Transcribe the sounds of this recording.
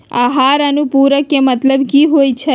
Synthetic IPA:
a̰ɦaɾanũpuɾəkemət̪ləbkiɦojt͡ʃʰe

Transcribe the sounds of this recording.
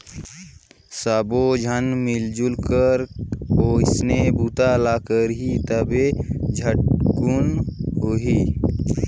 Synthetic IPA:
sabod͡ʒʱənmɪld͡ʒʊlkəɾoːɪsnebuːt̪alaːkəɾɦit̪əbed͡ʒʱəʈ̚kunɦoɦiː

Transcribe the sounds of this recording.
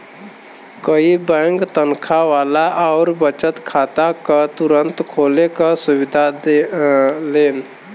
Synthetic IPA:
kəibəŋɡt̪ənkʰaʋalaʔaʊɾbət͡ʃət̪kʰat̪akat̪uɾənt̪kʰoːlekasubid̪ʱa | leːn

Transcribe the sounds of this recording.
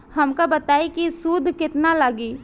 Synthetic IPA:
hɐmkabɐt̪aːikisuːd̪ʱkɪt̪nalaːɡiː

